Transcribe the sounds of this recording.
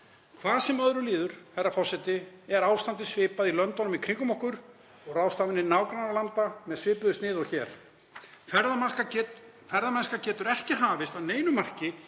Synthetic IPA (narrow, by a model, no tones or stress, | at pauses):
kʰvaːðsɛmœðɾʏliːðʏɾ̥θɛrːafɔr̥sɛt̪ɪɛɾaːwst̪ant̪ɪsvɪːpaðilœnt̪ɔnʏmikʰɾiŋkʏmɔhkʏɾ̥ | ɔɣraːwst̪aːvɪnːɪnaːwkɾanɾalant̪amɛðsvɪːpʏðʏst̪nɪːðɔɣçɛːɾ̥ | fɛɾð | fɛɾðamɛnskacɛːt̪ʏɾɛhcɪɦaːvɪst̪aðneːjnʏmar̥cɪ